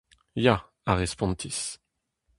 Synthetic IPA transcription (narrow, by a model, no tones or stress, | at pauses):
ja | aʁespɔ̃t̪ʰis